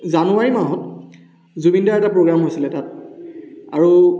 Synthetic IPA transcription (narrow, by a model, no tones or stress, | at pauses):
zanuaɹimaɦɔt̚ | zubindaɹɛtapɹoɡɹamɦojsilɛtat̚ | aɹu